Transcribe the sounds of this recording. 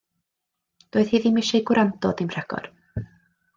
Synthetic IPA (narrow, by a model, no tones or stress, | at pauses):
d̥oːɨð̥hiːðimɪʃejɡwɾʔandɔdimr̥aɡ̥ɔ̰r